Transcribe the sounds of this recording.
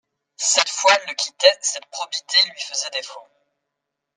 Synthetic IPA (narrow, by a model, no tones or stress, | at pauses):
sɛt̪fwaɛlːəkʲit̪ɛsɛt̪pχɔbit̪elɥifəzɛd̪efɔ̃